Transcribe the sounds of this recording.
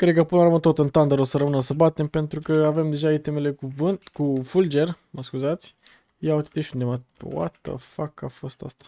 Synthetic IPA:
kɾed̪̚kəpɨnəamət̪ot̪ɨnt̪and̪aɾosəɾəmɨnəsəbat̪e̞mpe̞nt̪ɾukəave̞md̪e̞ʒaet̪emele̞kuvɨnkufuld͡ʒe̞rməskuzat̪sʲ | jaut̪i̥t̪eʃt̪ʲund̪emawa̰t̪ə̰fakafo̞st̪a̰st̪ḁ

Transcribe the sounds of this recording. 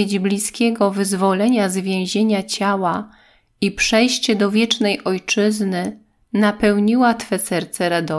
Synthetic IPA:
ed͡ʑblʲiskʲɛɡɔvɘzvɔlɛɲazvʲjɛ̃w̃ʑeɲat͡ɕawa | ipʂɛjɕt͡ɕɛd̪ɔvʲjɛt͡ʂnɛjʔɔjt͡ʂɘznɘ | napɛwɲiwat̪fɛsɛɾt̪sɛɾad̪ɔ

